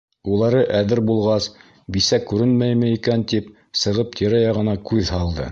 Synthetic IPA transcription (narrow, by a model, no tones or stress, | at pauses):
ulˠɑɾɤʔæðɘɾbulˠʁɑs | bisækːʉɾɘnmæjmɘikænt̪ip | sɤ̆ʁɤp̚t̪ʰiɾæjɑʁɤ̆nɑkʉðhɑlˠd̪ɤ̰